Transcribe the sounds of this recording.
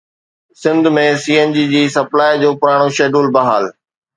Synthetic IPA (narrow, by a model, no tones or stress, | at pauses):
sɪ̃nd̪ʱmẽsiːeːnd͡ʑiːd͡ʑiːsɐplaːjd͡ʑoːpʊɾaːɽ̃oʃeːɖuːlbɐɦaːl